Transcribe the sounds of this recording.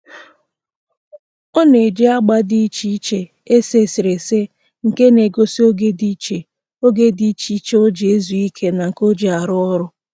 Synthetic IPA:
o˦ne˨d͡ʒe˦a˦ɡ͡ba˦di˦t͡ʃi˦t͡ʃe˦ | e˦se˦˨sɪ˨ɾe˨se˦ | ŋ̩˨ke˦ne˨ɡo˦si˦o˦ɡe˦di˦t͡ʃe˨ | o˦ɡe˦di˦t͡ʃi˦t͡ʃe˦o˦d͡ʒe˨e˦zu˨i˦kʰe˦na˨ŋ̩˨ko˦d͡ʒe˨a˨ɾʊ˦ɔ˦ɾʊ˦

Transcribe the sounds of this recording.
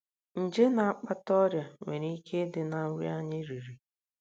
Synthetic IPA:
n̩˨d͡ʒe˦na˨a˦k͡pa˦tɔ˦ɾja˨ŋʷe˨ɾi˦kʰe˦dɪ˨na˨˦wj̰a˦ɲɪ˦ɾi˨ɾi˨

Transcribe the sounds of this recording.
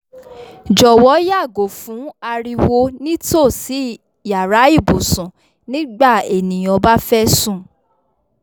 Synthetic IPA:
d͡ʒɔ˨wɔ˨˦ja˦˨ɡo˨fũ˨˦a˧ɾi˧wo˧nĩ˦to˦˨si˨˦ | ja˨ɾa˨˦i˦˨bu˨sũ˨ | nĩ˦ɡ͡ba˦˨e˨nĩ˨j̃ɔ̃˧ba˦fɛ˦sũ˦˨

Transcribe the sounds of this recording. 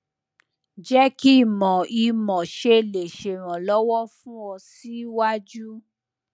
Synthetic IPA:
d͡ʒɛ˦ki˦˨mɔ̃˨i˧mɔ̃˨ʃe˧le˨ʃe˨ɾ̃ã˨lɔ˨˦wɔ˦fũ˦ɔ˧si˦wa˦d͡ʒu˦

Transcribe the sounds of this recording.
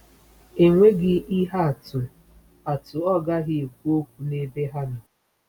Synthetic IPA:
e˨ŋʷe˦ɡɪ˦i˦ɦa˦a˨tʊ˨ | a˨tʊ˨ɔ˦ɡa˦ɣɪ˨e˨kʷu˦o˦kʷu˨ne˦be˦ɦa˦nʊ˨

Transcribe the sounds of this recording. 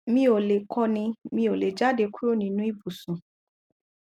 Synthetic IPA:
mĩ˦o˨le˨kʰɔ˧nĩ˧mĩ˧o˨le˨d͡ʒa˦de˧ku˦o˦˨nĩ˨˧˦nũ˦i˦bu˨sũ˨

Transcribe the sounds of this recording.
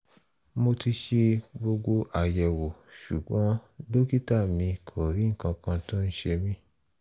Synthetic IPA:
mo˧ti˧ʃe˧bo˧ɡ͡bo˧ʔa˨jɛ˨wo˨ʃu˨ɡ͡bɔ̃˨˦do˦ki˦ta˦˨mĩ˧kʰo˨ɾi˨˦ŋ̩˦˨kã˧kã˧to˦n̩˦ʃe˧mĩ˧˦

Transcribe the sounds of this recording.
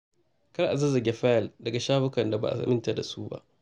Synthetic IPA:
kɐ˦ɽʔa˨zɐ˦zɐ˨ɡʲe˦ɸa˦jɐ˨ldɐ˨ɡa˨ʃaː˦ɸʊ˦kɐ˨nda˨ba̰˨ʔa̰˨sa̰˨mɪ˦nta˨da˨suː˦ba̰˦ʔ

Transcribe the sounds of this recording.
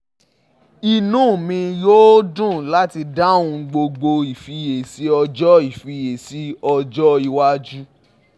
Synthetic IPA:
i˨nũː˨˦˨mĩ˧jo˦dũ˦˨la˦ti˧da˦˨ũ˧ɡ͡bo˧ɡ͡bo˧i˨fi˧je˨si˨˦ɔ˧d͡ʒɔ˦i˦˨fi˧je˨si˨˦ɔ˧d͡ʒɔ˦i˧wa˦d͡ʒu˦

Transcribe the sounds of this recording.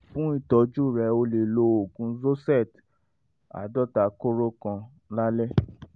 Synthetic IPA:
fũ˦i˦˨tɔ˨˦d͡ʒu˦˨ɾɛ˨˦o˧le˨lo˨˦o˨ɡũ˧˦zo˦sɛ˦˨t | a̰˨dɔ˦ta˨ko˦ɾo˦kã˧ | la˦lɛ˦

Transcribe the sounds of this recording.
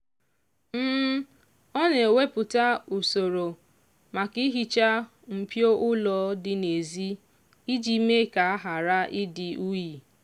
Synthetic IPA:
m̩ː˦ | ɔ˦ne˨we˦pʊ˨ta˦u˨so˨ɾo˨ | ma˨ki˦ɦi˨t͡ʃa˦ | m̩˨pjo˦ʔʊ˦lɔ˨˦dɪ˨ne˨zi˦ | i˦d͡ʒi˦me˦ka˨a˦ɦa˨ɾa˦ʔɪ˦dɪ˨ʔu˦ji˨

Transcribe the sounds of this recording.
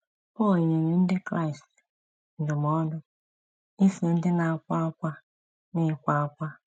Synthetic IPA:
po˦˨ɲi˨ji˦n˦de˦kra˦˨jst | n˨di˨mɔ˦dɔ˦ | i˦si˨˦n˦di˦na˨kʷa˦kʷa˦ | ni˦˨kʷaː˦kʷa˦

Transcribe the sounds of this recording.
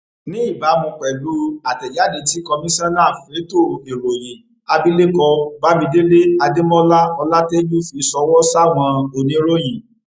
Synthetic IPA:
nĩ˦i˦˨ba˨˦mũ˧k͡pɛ˨lu˨˦a˨tɛ˨ja˨˦˨de˨˧˦ti˦kɔ˧mĩ˦sã˦nãː˦˨fe˨˦to˦˨e˨ɾo˨je˨ | a˧bi˦le˦kɔ˧ba˦mĩ˧de˦le˦a˧de˦mɔ̃˦la˦ɔ˧la˦te˦d͡ʒu˦fi˧˨˦sɔ˧wɔ˦sa˦˨w̃ɔ̃˧o˨nĩ˨˦ɾo˦ji˨

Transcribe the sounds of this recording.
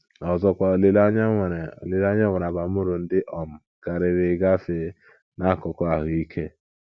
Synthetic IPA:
ɔ˨zɔ˦kʷa˨o˨li˦la˦ɲ˦˨ɾo̰˨li˦la˦ɲa˦wʷe˨ɾa˨ba˨˦ʊ˦ɾʊ˨n̩˦dɪ˦ʔɔ˨m̩˨ | ka˨ɾɪ˨ɾɪ˨˦ɡa˦fe˦ | na˦a˨kɔ˨kɔ˦a˨ɦʊ˨i˦kʰe˦

